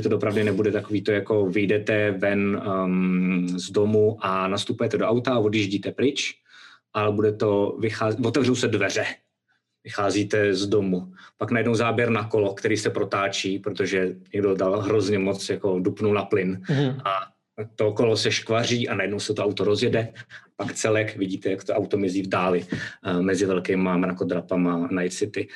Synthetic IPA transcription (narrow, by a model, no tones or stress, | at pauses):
ʒɛt̪odopɾavdɪnɛbudɛt̪akoviːt̪ojako̞vɪjdɛt̪ɛvɛn | zdomuʔanast̪upujɛt̪ɛdoʔawt̪avo̞djiʒɟiːt̪ɛpɾɪt͡ʃ | ʔalɛbudɛt̪o̞vɪxaːvot̪ɛvrowsɛdvɛr̝ɛ | vɪxaːziːt̪ɛzdo̞mupaknajɛdnowzaːbjɛɾnakolo̞kt̪ɛɾiːsɛpɾot̪aːt͡ʃiːpɾot̪oʒɛɲɛɡdo̞dalɦɾo̞zɲɛmot͡sjako̞dupnunaplɪnʔa | t̪okolosɛʃkvar̝iːʔanajɛdnowsɛt̪oawt̪oɾozjɛdɛapakt͡sɛlɛkvɪɟiːt̪ɛjakt̪oʔawt̪omɪziːvdaːlɪmɛzɪvɛlkɛːmamɾakod̪ɾapamanaj̪sɪt̪ɪ